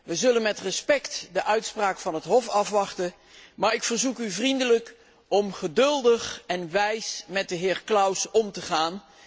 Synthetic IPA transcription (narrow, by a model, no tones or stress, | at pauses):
ʋəzɵlənmɛtrəspɛktdəʔœɥtspraːkfɑnɦətɦɔfɑfʋɑχtə | maːɹɪkfəɹzukyvrindələk | ɔmχədɵlˠdəχɛnʋɛjsmɛt̚dəɦɪːɹklʌwsɔmtəχaːn